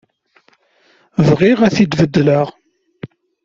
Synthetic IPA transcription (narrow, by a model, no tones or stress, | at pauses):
vʁɪʁæθid̪vəd̪ːləʁ